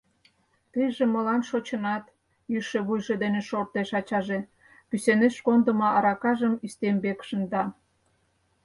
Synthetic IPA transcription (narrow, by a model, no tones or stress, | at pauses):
t̪əjʒĕmolɑnʃot͡ɕə̆nɑt̪ | jyʃeβujʒed̪eneʃort̪eʃɑt͡ɕɑʒe | pyseneʃkond̪ə̆mɑʔɑɾɑkɑʒəmist̪embekʃənd̪ɑ